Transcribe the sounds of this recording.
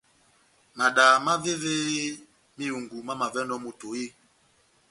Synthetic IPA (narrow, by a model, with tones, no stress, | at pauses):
ma˨ɗa˨ma˦ve˦ve˦ | mi˦u˨ŋɡu˨ma˦ma˨vɛ˦nɔ˦mo˨to˨i˦